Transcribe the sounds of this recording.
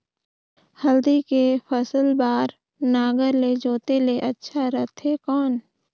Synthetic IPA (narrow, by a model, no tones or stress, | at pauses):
həld̪ikepʰəsəlbaːɾ | naːɡəɾled͡ʒoːt̪eleʔɐtːʃʰaɾət̪ʰɦekɔːn